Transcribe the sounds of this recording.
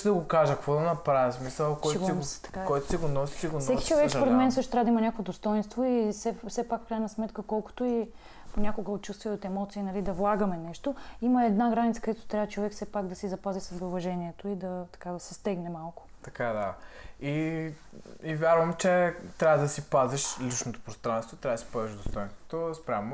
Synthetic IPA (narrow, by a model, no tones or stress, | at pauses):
d̪ɐɡokaʒəkkvɔd̪ɐnɐpɾavʲismisəlˠkɔjt̪ɡsi̥t̪ɐ̥kkɔjt̪o̥siɡonɔsi̥siɡonsɛkʲit͡ʃovɛkspoɾɛt̪mɛnsɤʃt̪ot̪ɾavɐd̪imɐnʲakovod̪ost̪ɔinst̪voisɛfsɛpakfkɾajnɐsmɛt̪kəkɔlˠkʊ̥t̪oi | ponʲakoɡəot̪t͡ʃust̪vijɛot̪ɛmɔt̪siːnɐlid̪ɐvlˠaɡəmɛnɛʃt̪oiməɛd̪naɡɾanit̪səkəd̪ɛt̪o̥t̪ɾavət͡ʃovɛkfsɛpaɡd̪ɐsizɐpazisɐzbɛʊvɐʒɛniɛt̪oid̪ɐt̪ɐ̥kad̪ɐsɛst̪ɛɡnɛmalˠkʊ̥t̪ɐkad̪ai | ivʲjaɾvəmt͡ʃɛt̪ɾʲavəd̪ɐsipaziʃlit͡ʃnot̪o̥pɾost̪ɾãnst̪vot̪ɾaɐd̪si̥paziʒd̪ost̪ɔjnst̪vo̥t̪ospɾʲam